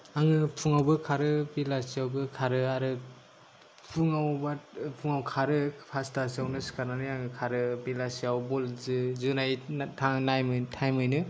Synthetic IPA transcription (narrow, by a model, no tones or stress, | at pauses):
aŋɯpʰuŋawbɯkʰaɾɯbilasiawbɯkʰaɾɯaɾɯ | pʰuŋawbapʰuŋawkʰaɾɯpʰastasiawnɯskaɾnanɯaŋɯkʰaɾɯbilasiawbɔlzɯzɯnajtʰaŋnajmɯtʰajmɯjnɯ